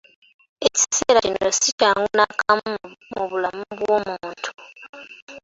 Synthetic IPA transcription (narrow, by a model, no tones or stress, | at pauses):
eci̥seːɾacinosid͡ʒaŋɡonakʰammuβulamuβwomuːuntʰu̥